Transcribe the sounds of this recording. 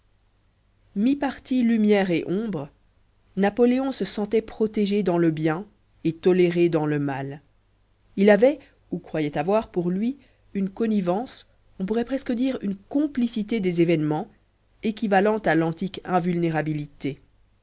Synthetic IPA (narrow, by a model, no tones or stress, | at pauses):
mipaʁt̪ilymjɛʁeʔɔ̃bʁə | napɔleɔ̃səsɑ̃t̪ɛpχɔt̪eʒed̪ɑ̃ləbjɛ̃ | et̪ɔleʁed̪ɑ̃ləmal | ilavɛ | ukχwajɛt̪avwaʁpuʁlɥi | ynkɔnivɑ̃s | ɔ̃p̬uʁɛpχɛskəd̪iːʁynkɔ̃plisit̪ed̪ezevɛnmɑ̃ | ekʲivalɑ̃t̪alɑ̃t̪ikɛ̃vylneʁabilit̪e